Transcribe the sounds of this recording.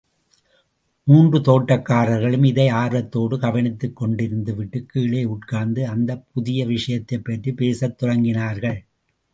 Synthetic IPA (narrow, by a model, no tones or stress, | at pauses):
muːndrɯt̪oːʈːɐkːaːɾɐɾɣɐɭɯmɪðɐɪaːɾʋɐt̪ːoːɽɯkɐʋɐnɪt̪ːɯkːɔɳɖɪɾɯnd̪ɯʋɪʈːɯkːiːɭeːʊʈ̚kaːnd̪ɯɐnd̪ɐp̚ʊðɪjɐʋɪʂɐjɐt̪ːɐɪpːɐʈrɯpeːsɐt̪ːɔrɐŋɡɪnaːɾɣɐɭ